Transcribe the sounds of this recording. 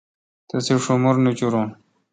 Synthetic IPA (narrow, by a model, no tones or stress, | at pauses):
t̪ɐseʂumuɾnut͡ɕuɾõn